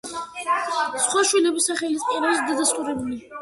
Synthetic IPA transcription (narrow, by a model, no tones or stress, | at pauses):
sχwaʃwilɛbisaχɛlist̪ʼiɾɛbisd̪ad̪ast̪ʼuɾɛbuli